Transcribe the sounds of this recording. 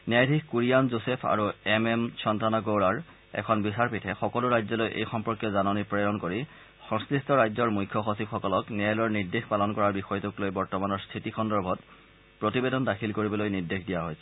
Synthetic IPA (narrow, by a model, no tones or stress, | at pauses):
niajdʱikkuɹijanzosepʰa̰ɹuɛmɛmt͡ʃʰɔntanaɡoɹaɹ | ɛ̰kʰɔnbisaɹpitʰɛxɔkɔluɹajzɔlojʔḛjxɔmpɔɹkjɔzanɔnipɹejɔnkoɹi | xɔ̃ŋskɹistɔɹajzɔɹmujkʰːɔxosibxɔkɔlɔkniajlɔɹniɹdexpalɔnkɔɹaɹbixɔjɔtuklojbɔɹtɔmanɔɹstʰitikʰɔndɔɹbʱɔt̚ | pɹotibedɔndakʰilkoɹibɔlojniɹdekʰdijaɦɔjsɛ̥